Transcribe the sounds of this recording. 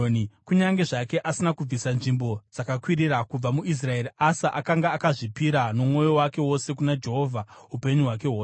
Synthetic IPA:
nkuɲaŋɡe̞ʐake̞ʔasinakub͡visanʐimbod͡zakakwirirakub͡vamuʔis̬rae̞ɾiasaʔakaŋɡaːkaʐipiɾano̞mŋo̞jo̞wake̞wo̞se̞kunad͡ʒe̞ɦo̞ːvʱaupe̞ɲuɦwak̬e̞woː

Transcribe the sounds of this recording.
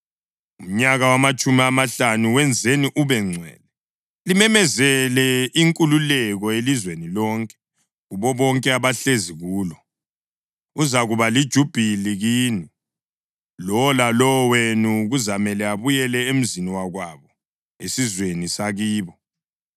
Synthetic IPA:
um̩ɲaɣawamat͡ʃʼumiamaɬanuwɛnd͡zʱeniʔuβɛŋ͡ǀʱwɛ̰ːlɛ | limɛmɛzɛlɛiŋkʼululɛɣɔelizwenilɔŋkʼɛ̥ | ɣuβɔβɔŋkʼɛaβaɬeziɣuːlɔ | uzaɣuβalid̥ʒ̥ʱub̥ʱiliɣiːni | lɔlalɔwenuɣuzamɛlɛaβujɛlɛem̩ziniwaɣwaβɔ | ḛsizwenisaɣiːβɔ

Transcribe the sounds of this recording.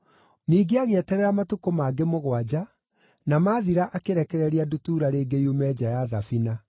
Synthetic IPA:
niːɡeaɣeɛtɛɾɛɾamatukomaːɡemoɣwad͡ʑa | namaːðiɾaʔakeɾɛkɛɾɛɾiadutuːɾaɾeːɡeiumɛːd͡ʑajaðafina

